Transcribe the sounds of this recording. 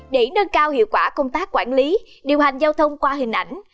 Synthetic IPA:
ɗe˧˩˦nəː˧nkaː˧whḭ˧˨əwkwaː˧˩kə˧wŋ͡mt̪aː˦˥k̚ːwaː˧˩nli˨˦ | ɗi˨˩əwɦa˨˩jŋ̟zaː˧wt̪ʰə˧wŋ͡mkwaː˧ɦï˨˩ŋ̟ʔa˧˩jŋ̟

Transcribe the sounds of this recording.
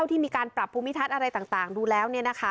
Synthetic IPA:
a˩t̪ʰiː˥˩miː˧kaː˧npɾa˨˩pʰːuː˧mi˦t̪ʰa˦˥˩t̪ʔa˧ɾa˧jt̪aː˨˩ŋt̪aː˨˩ŋduː˧lɛː˦˥wni˥˩ɐna˦˥kʰa˦˥˩

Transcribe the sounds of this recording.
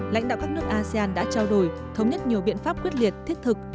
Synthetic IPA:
la̰˧˥jŋ̟ɗa̰ː˧˨wkaː˦˥k̚nɨ˦˥ək̚ʔaː˧si˧aː˧nɗa̰ː˧˥t͡ɕaː˧wɗo˨˩j | t̪ʰə˨˦wŋ͡mɲə˦˥t̚ɲi˨˩əwɓḭ˧˨ənfaː˦˥p̚kwi˦˥ət̚li˨˩ət̚t̪ʰi˦˥ət̚t̪ʰɨ˨˩k̚

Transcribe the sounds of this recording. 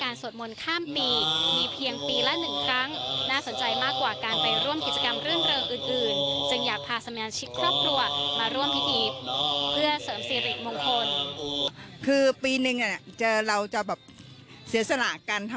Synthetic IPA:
kaː˧nso˨˩t̪̚mo˧nkʰaː˥˩mpiː˧miː˧pʰi˧əŋpiː˧lɛ˦˥nɯ˨˩ŋkʰɾa˦˥ŋnaː˥˩so˩˦nt͡ɕa˧jmaː˥˩kːwaː˨˩kaː˧npa˧jɾu˥˩mki˨˩t̪̚t͡ɕa˧ka˧mɾɯ˥˩nɾɤː˧ŋʔɯː˨˩nʔɯː˨˩nt͡ɕɯ˧ŋjaː˨˩k̚pʰaː˧˩sa˧maː˧t͡ɕʰi˦˥kʰːɾɔː˥˩p̚kʰɾu˧ɐmaː˧ɾu˥˩əmpʰi˦˥t̪ʰiː˧pʰɯ˥˩ɐsɤː˩˦msiː˧˩ɾi˨˩t̪̚mo˧ŋkʰo˧n | kʰɯː˧piː˧nɯ˨˩ŋa˥˩t͡ɕɤː˧ɾa˧wt͡ɕa˨˩bɛː˨˩p̚ | si˩˦ɐsa˧na̰˨˩ka˧nt̪ʰ

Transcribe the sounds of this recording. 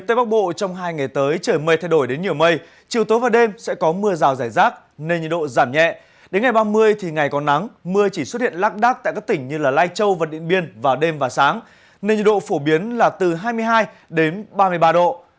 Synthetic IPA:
t̪əː˧˦jɓa˦˥k̚ɓo̰˧˨t͡ɕɔ˧wŋ͡mɦaː˧jŋa˨˩jt̪əː˨˦jt͡ɕəː˧˩jmə˧˩jt̪ʰjɗo˧˩jɗe˨˦nɲi˧˩əwmə˧j | t͡ɕi˨˩əwt̪o˨˦jvaː˨˩wɗe˧msɛ̰˧˥kɔ˨˦mɨ˧əzaː˨˩wzaː˧˩jzaː˦˥k̚ | ne˧nɲḭ˧˨ɗo̰˧˨zaː˧˩mɲɛ̰˧˨ | ɗe˨˦nŋa˨˩jɓaː˧mɨ˧əjt̪ʰi˨˩ŋa˨˩jkɔ˨˦na˨˦ŋmɨ˧ət͡ɕi˧˩swə˦˥t̚hḭ˧˨ənlaː˦˥k̚ɗaː˦˥k̚taː˧˨kaː˦˥k̚t̪ï˧˩ŋ̟ɲɨ˧laː˨˩laː˧jt͡ɕə˧wvaː˨˩ɗḭ˧˨ənɓi˧ənvaː˨˩wɗe˧mvaː˨˩wsaː˨˦ŋ | ne˧nɲḭ˧˨ɗo̰˧˨fo˧˩ɓi˨˦ənlaː˨˩t̪ɨ˨˩ɦaː˧jmɨ˧əjɦaː˧j | ɗe˨˦nɓaː˧mɨ˧əjɓaː˧ɗo̰˧˨

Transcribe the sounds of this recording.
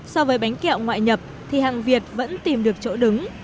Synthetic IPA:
sɔ˧vəː˨˦jɓa˨˦jŋ̟kɛ̰˧˨wŋwa̰ː˧˨jɲə˨˩p̚ | t̪ʰi˨˩haː˨˩ŋvi˨˩ət̚və̰˧˥nt̪i˨˩mɗɨ˨˩ək̚t͡ɕo̰˧˥ɗɨ˨˦ŋ

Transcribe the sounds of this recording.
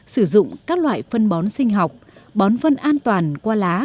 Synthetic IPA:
sɨ˧˩zʊ̰˧˨ŋ͡mkaː˦˥k̚lwa̰ː˧˨jfə˧nɓɔ˨˦nsï˧ŋ̟ɦa˨˩wk͡p̚ɓɔ˨˦nvə˧nʔaː˧nt̪waː˨˩nkwaː˧laː˨˦

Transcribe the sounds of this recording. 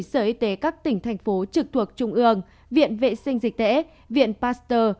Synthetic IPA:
səː˧˩ʔi˧t̪e˨˦kaː˦˥k̚t̪ï˧˩ŋ̟t̪ʰa˨˩jŋ̟fo˨˦t͡ɕɨ˨˩k̚t̪ʰu˨˩ək̚t͡ɕʊ˧ŋ͡mʔɨ˧əŋ | vḭ˧˨ənvḛ˧˨sï˧ŋ̟zï˨˩k̟̚t̪ɛ̰˧˥ | vḭ˧˨ənpaː˧˥st̪əː˧

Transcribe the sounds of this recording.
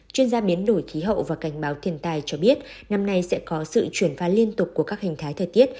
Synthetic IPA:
t͡ɕwi˧ənzaː˧ɓi˨˦ənɗo˧˩jxi˨˦ɦə̰˧˨vaː˨˩ka˧˩jŋ̟ɓaː˨˦wt̪ʰi˧˩ənt̪aː˧jt͡ɕɔ˧ɓi˦˥ət̚ | na˧mna˧jsɛ̰˧˥kɔ˨˦sɨ̰˧˨t͡ɕwi˧˩ənfaː˨˦li˧ənt̪ʊ˨˩k͡p̚kːu˧˩əkaː˦˥k̚hi˨˩ŋ̟t̪ʰaː˨˦jt̪ʰəː˨˩jt̪i˦˥ət̚

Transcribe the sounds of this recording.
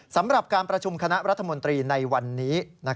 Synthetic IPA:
sa˩˦mɾa˨˩p̚kaː˧npɾa˧t͡ɕʰu˧mkʰa˧na˦˥ʔɾa˦˥t̪ʰːa˧mo˧nt̪ɾiː˧na˧jwa˧nːiː˦˥na˦˥

